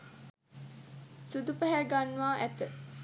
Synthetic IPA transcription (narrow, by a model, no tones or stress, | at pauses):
sud̪upəɦæɡanʋaːʔæt̪ə